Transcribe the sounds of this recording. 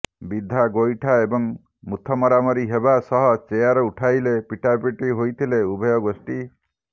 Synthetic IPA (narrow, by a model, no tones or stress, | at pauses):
bid̪ʱːaɡojʈʰaebɔŋ | mut̪ʰɔmɔɾamɔɾiɦebasɔɦɔt͡ʃejaɾɔuʈʰajlepiʈapiʈiɦojt̪ʰileubʱɔjɔɡosʈi